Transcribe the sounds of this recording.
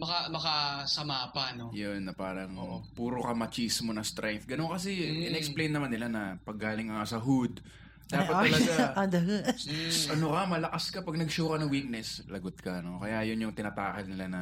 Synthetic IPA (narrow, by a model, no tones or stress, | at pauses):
mɐkɐmɐkɐsɐmaːpɐnojonːɐpaːɾɐŋpuːɾokɐmɐt͡ʃismo̞nɐst̪ɾʔajfɡɐnonkɐsɛɪnɛʔɛksplejnːɐmanːɪlanɐpɐɡːaːlɪŋkɐŋasɐɦud̪̚ | d̪aːpɐt̪ːɐlɐɡad̪ɐɡaʔɐnokɐmɐlɐkaskɐpɐɡ̚nɐɡʃowkɐnɐŋwik̚nɛslɐɡot̪̚kɐno̞kɐjajʊnjʊŋt̪ɪnɐp̪aːkɛlnɪlanɐ